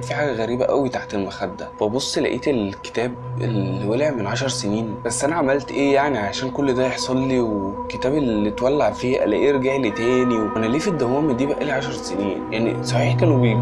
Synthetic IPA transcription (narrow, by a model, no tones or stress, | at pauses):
t̪fiħaːɡæɣæɾiːbæʔæwit̪aʕt̪elmæxæd̪ːæ̰fæbosˤːlæ̰ʔiːt̪elke̥t̪æːbʔḛlːiweleʕmenʕaʃɑɾˤseniːnbæsːʔænæʕamælt̪ʔeːjaʕniʕaæʃæːnkolːd̪æjeħsˤɑlːiwekːet̪æːbelːit̪wælːaʕfiːʔæ̰læ̰ʔeɾɡeʕlit̪æːniwʔænæliːfid̪ːæhuːmid̪iːbæʔæliʕaʃɑɾˤseniːnjaʕnḭsˤɑħiːħkæːnebe